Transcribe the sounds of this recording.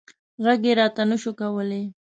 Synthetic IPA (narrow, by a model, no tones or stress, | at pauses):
ɣaɡeɾɑt̪anʊʃokawəle